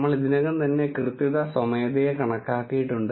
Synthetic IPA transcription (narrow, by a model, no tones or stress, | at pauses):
mːɐɭiðinɐɣɐmt̪ɐnːe̞krɨt̪ːiðɐsɐmeːd̪ɐjɐkɐɳɐkːaːkːijiʈːuɳɖɨ